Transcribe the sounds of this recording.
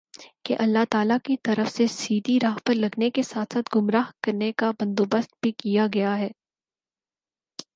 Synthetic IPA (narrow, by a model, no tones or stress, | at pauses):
keʔɐlːat̪aːlakit̪ɐɾəfsesiːd̪iɾaːɦpɐɾlɐɡnekesaːt̪ʰsaːt̪ɡʊmɾaːɦkɐɾnekabɐ̃nd̪oːbəst̪̚bʱikijaɡɐjaɦɛː